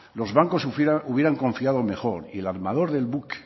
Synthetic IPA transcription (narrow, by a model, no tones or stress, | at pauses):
lozβaŋko̞suuβje̞ɾaŋko̞ɱfiaðo̞me̞xo̞ɾielaɾmaðo̞ɾðe̞lβuk